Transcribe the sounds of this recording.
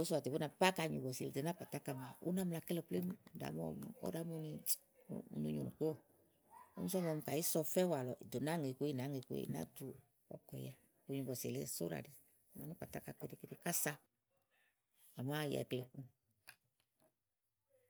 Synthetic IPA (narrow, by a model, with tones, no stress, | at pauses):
o˨˦sɔ˦a˨te˨bu˦na˧pa˦ka˧˨ɲu˨bɔ˨se˨le˨de˨na˦k͡pa˨ta˦ka˧˨ma˨ṵ˦na˦m˧la˧˨kɛ˦lɔ˧˨ple˦mu˦˨da̰˨˦m˦ɔ̰˧m˨ɔ̰˦da˨˦mu˦˧˦ni˧ | ṵ˧nu˧ɲu˨nu˨k͡po˦˨ | o̰˦mu˦sɔ˦mɔ˧m̩˧ka˨i˦sɔ˧fɛ˦wa˨lɔ˨ʔi˨do˨na˦ŋe˨ku˧˦i˦˨na˨˦ŋe˨˧˨ku˦ḛ˦˨na̰˦tu˧˦ | ɔ̰˨kɔ˧˨ja˨ | ku˨ɲu˨˧bɔ˨sḛ˨lḛ˧˦so̰˦ɾa̰˨di˨ | ma˨nu˦k͡pa˨ta˦ka˧ke˦de˧˦ke˦di˧ka˦sa˦˧ | a˨ma˦˧jɛ̰˨kle˧˨ku˦